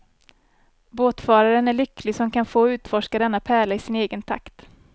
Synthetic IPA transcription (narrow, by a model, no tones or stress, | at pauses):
boːt̪fɑːɾaɾənæɭʏkːlɪsɔmkʰanfoːɔʉ̟ːt̪fɔʂkad̪ɛnːapʰæːɭaɪsɪneːɡənt̪ʰa̰kt̪